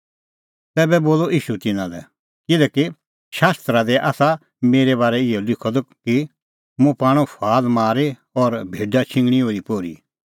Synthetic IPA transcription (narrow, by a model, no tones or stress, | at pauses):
t̪ɛːbɛboːlɔʔiːʃut̪ɪnãlɛ̰ | kɪlɛːki | ʃaːst̪ɾad̪ɛʔaːsa | meːɾɛbaːɾɛɪɔlɪkʰɔd̪ɔki | mũpaːɽ̃ũpʰaːlmaːɾe | ɔɾbʱeːɖat͡ʃʰɪ̃ŋɡɽ̃ioːɾipoːɾḭ